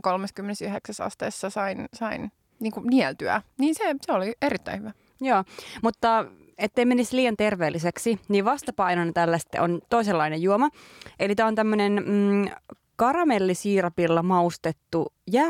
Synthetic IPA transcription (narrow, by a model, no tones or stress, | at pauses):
kolmeskymːenesyheksæsɑ̰st̪ḛːsːɑsɑinsɑin | niːŋkuniɛlt̪yæ̰niːnseseolieɾit̪ːæihyʋæ | joːmut̪ːɑ | et̪ːeimenisliːjɑnt̪erʋeːlːiseksiniːʋɑst̪ɑpɑinonɑt̪ælːæst̪ːʔo̰nt̪oiselːɑinejjuomɑʔelit̪æːont̪æmːønen | kɑrɑmelːisiːrɑpilːɑmɑust̪et̪ːu | jæː